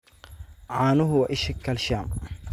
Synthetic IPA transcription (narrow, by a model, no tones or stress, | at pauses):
ʕaːnʊɦʊwaʔɪʃɪkʰːɐlʃaːm